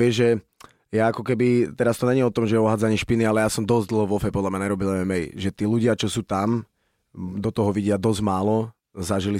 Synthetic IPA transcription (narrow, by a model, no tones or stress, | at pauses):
ʋɪɛʒʒɛ | jaakɔkɛbit̪ɛɾast̪ɔɲɛɲiɔt̪ɔmʒɛɛɔɦaːd͡zaɲiʃpinialɛjasɔmd̪ɔzɟ̚d̪l̩ˠɦɔʋɔfɛpɔd̪lamɲaɲɛɾɔbilɛʋɛmɛjḭʒɛt̪iːluɟɪat͡ʃɔsuːt̪am | d̪ɔt̪ɔɦɔʋiɟɪad̪ɔzmaːlɔ | zaʒili